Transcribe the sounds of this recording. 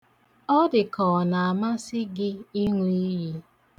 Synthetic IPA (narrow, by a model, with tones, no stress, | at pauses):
ɔ˦dɪ˨kɔ˨na˨a˨ma˦sɪ˦ɡɪ˦i˦ŋʷu˦i˦ji˦